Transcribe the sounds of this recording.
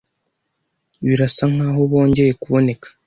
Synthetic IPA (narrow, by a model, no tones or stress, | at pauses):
βiɾasaŋ̥aːɦo̞βo̞ːɲɟe̞je̞kuβo̞ne̞kḁ